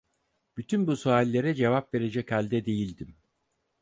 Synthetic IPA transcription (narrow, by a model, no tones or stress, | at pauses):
b̥yt̪ʰynbusoalʲːe̞ɾɛd͡ʒe̞vapve̞ɾe̞d͡ʒɛchalʲd̪ɛd̪e̞jilʲd̪im